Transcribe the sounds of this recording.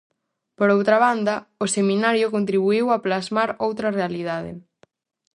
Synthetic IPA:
poɾowt̪ɾɐβand̪ɐʊsemĩnaɾjʊkont̪ɾiβuiwaplazmaɾowt̪ɾɐrealiðaðɪ̰

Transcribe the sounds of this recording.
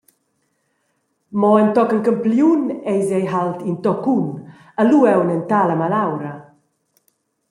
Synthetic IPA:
mɔent̪ɔkəlkəmpliunɛjzɛjɦalt̪int̪ɔkun | əluɛwnənt̪aləmalawɾə

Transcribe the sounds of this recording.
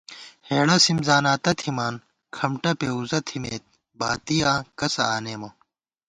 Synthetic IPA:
heːɽɐsimzaːnaːt̪ɐt̪ʰimaːn | kʰɐmʈɐpeuzɐt̪ʰimeːt̪̚ | baːt̪ijãːkɐsɐaːneːmɐ

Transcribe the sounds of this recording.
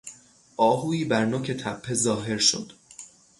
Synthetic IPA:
ʔɒːɦuːiːbæɾnoːcʰe̞t̪ʰæpʰːe̞zɒːɦe̞ɾʃo̰d̪̥

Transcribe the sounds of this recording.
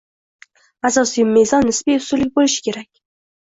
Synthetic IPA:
asɒsijmːezɒnːɪsbijʊsulɪk̚ʲbolɪʃɪ̥kʲʰe̞ɾakʲ

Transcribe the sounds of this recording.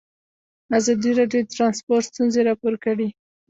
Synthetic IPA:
azɑd̪iɾɑɖjot̪ɾɑnspoɾʈst̪unzeɾɑpoɾkəɽi

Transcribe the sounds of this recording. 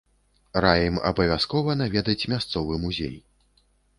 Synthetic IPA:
ɾajɛmɐ̰bɐvʲaskɔvɐnavʲɛd̪ɐt͡sʲmʲast̪sɔvɨmuzʲḛj

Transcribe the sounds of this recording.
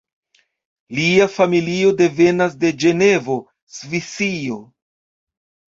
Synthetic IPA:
liafamilio̞de̞ve̞nas̬de̞d͡ʒe̞ne̞vo̞ | svisio̞

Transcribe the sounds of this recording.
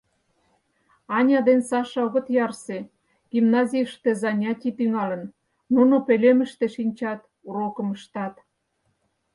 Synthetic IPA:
ɑnʲɑd̪ensɑʃɑoɣŏt̪jɑrse | ɡ̥imnɑzʲijəʃt̪ezɑnʲɑtʲit̪yŋɑlə̆n | nunopelemə̆ʃt̪eʃinʲt͡ɕɑt̪ | urokə̆məʃt̪ɑt̪

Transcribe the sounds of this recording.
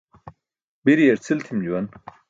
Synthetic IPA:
biɾijeɾt͡sʰilt̪ʰimd͡ʑuwɐn

